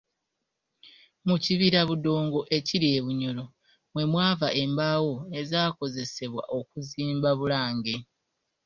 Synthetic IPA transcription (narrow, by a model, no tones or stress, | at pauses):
muciβiɾaβudo̞ːŋɡo̞ʔe̞ciɾie̞ːβuɲo̞lo̞ | mwe̞mwaːvaʔe̞mbawo̞e̞zaːko̞ze̞se̞βwa̰ʔo̞kuziːmbaβulaːŋɡe̞